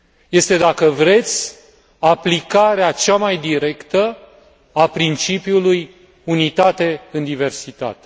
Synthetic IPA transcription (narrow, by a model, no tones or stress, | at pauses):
je̞st̪e̞d̪akəvɾe̞t̪sʲ | aplikaɾeat͡ʃamajd̪iɾe̞kt̪ə | apɾint͡ʃipjuluj | unit̪at̪e̞ɨnd̪ive̞rsit̪a̰t̪e